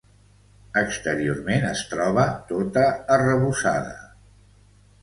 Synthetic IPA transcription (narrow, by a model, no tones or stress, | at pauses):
əkst̪əɾiormenəst̪ɾɔβət̪ot̪əːrəβusa̰ðə̰